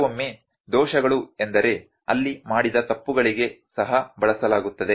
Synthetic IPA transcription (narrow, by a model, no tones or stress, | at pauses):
omːe | d̪ɔːʃɐɡɐɭue̞nd̪ɐɾe̞ | ɐ̰lːimaːɽid̪ɐt̪ɐpːuɡɐɭiɡe̞ | sɐɦɐbɐɭɐsɐlaːɡut̪ːɐd̪e̞